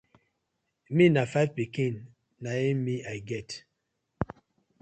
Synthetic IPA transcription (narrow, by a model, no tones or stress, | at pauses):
minafajvpikĩnː | aimiʔajɡɛt